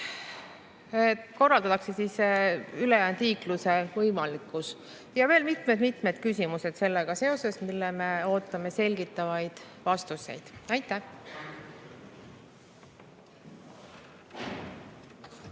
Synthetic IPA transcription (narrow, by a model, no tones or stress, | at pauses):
ko̞rːɑld̪̥ɑt̪ːˑɑkse̞sisylejæːnd̪liːkluse̞vɤjmɑlikːˑus | jɑve̞ːlmit̪me̞d̪mit̪med̪̥kysʲimuse̞d̪̥se̞lːeɡ̥ɑse̞o̞se̞smilːeme̞o̞ːt̪ːˑɑme̞se̞lʲɡit̪ːˑɑvɑjd̪̥vɑst̪use̞̰jd̪̥ɑjt̪ːˑæh